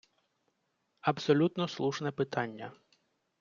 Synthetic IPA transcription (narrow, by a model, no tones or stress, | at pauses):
ɐbsɔlʲut̪nɔslˠuʃnɛpɪt̪ɑnʲːɐ